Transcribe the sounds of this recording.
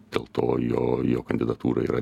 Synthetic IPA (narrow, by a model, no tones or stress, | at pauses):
d̪̥ʲeːlˠt̪oːjoːjoːkɐnʲd̪ʲɪd̪ɐt̪uːɾɐḭːɾʔɐ